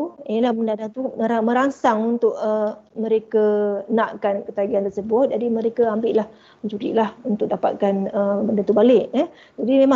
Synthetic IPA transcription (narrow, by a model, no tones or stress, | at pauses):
inilahbəndanat̪uəamə̃ɾaŋsaŋunt̪ʊʔəmə̃ɾekənaʔkankət̪aɡiant̪ərsəbʊt̪̚d͡ʒadiməɾekəambɪʔlah | məɲt͡ʃuɾḭʔlahunt̪ʊk̚dapa̰t̪̚kanəbəndant̪ubalɪʔɛ | d͡ʒadimẽmã